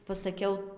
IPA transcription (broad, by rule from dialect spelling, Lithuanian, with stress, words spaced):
pɐsɐˈkʲɛʊ